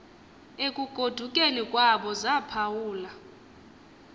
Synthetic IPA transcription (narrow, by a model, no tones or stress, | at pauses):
ekʼuɡ̥ʱod̥ʱukʼenikʼwaɓɔzapʰawuːla